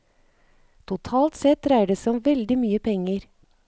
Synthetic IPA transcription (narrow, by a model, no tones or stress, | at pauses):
t̪ʰʊt̪ʰɑːlt̪sɛt̪ɾæɪɖəsɔmʋɛld̪ɪmyːəpʰɛŋəɾ